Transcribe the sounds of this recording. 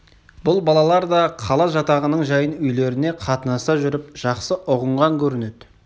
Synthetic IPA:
bʊlˠbɑlˠɑlˠɑɾd̪ɑqʰɑlˠɑʒɑt̪ɑʁənəɴʒɑjənʏjle̞ɾɪne̞qʰɑt̪ənɑsɑʒʏɾɪp̚ʒ̥ɑqsəʔʊʁəɴʁɑŋkʲʰɵɾɪned̪̥ɪ

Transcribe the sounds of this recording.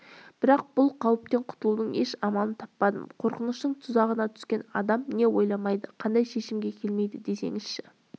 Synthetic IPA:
b̥ɪɾɑq̚b̥ʊlˠqʰɑwəp̚t̪e̞ɴqʰʊ̥t̪əlˠud̪əɴe̞ʃɑmɑlˠənt̪ʰɑpːɑd̪ə̰mqʰo̞ɾqənəʃt̪əɴt̪ʰʊzɑʁənɑt̪ʰʏ̥skʲe̞nɑ̰d̪ɑmne̞wo̞jlˠɑmɑjd̪əqʰɑnd̪ɑjʃe̞ʃɪmɡʲe̞kʲʰe̞lme̞jd̪ɪd̪e̞se̞̰ŋɪzʃɪ

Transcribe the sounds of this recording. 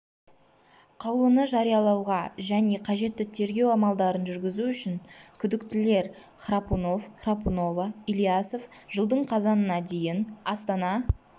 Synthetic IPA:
qʰɑwlˠənəʒɑɾijɑlˠɑwʁɑʒæne̞qʰɑʒe̞t̪ːɪt̪ʰe̞ɾɡʲe̞wɑmɑlˠd̪ɑɾənʒʏɾɡʲɪzuʏʃɪŋkʲʰʏd̪ɪkt̪ɪle̞ɾ | χrapuno̞fχrapuno̞vailˠijasofʒ̥əlˠd̪əɴqʰɑzɑnənɑd̪e̞jɪnɑst̪ɑnɑ

